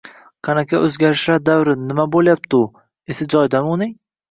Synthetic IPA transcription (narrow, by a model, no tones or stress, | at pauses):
qʰɑnakʲʰaʔɵzɡʲaɾɪʃaɾd̪avɾɪnːɪmabolˠjap̚t̪ʊ | esɪd͡ʒɒjd̪anunɪŋ